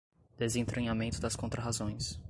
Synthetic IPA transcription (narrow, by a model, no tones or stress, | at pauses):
d̪̥ezẽt̪ɾʔɐ̃ɲamẽnt̪ʊd̪ɐskõnt̪ɾɐɦazõj̃s